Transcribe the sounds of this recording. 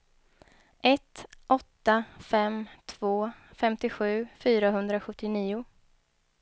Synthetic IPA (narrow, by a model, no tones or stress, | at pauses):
ʔɛt̪ʔɔt̪ːafɛmt̪ʰv̥oːfɛmt̪ɪɧʉ̟ːfyːɾaɦɵnd̪ɾaɧɵt̪ːɪniːʊ